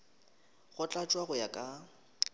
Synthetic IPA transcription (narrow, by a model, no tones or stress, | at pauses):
ɣʊt͡ɬʼat͡ʃʼwaɣʊjakʼa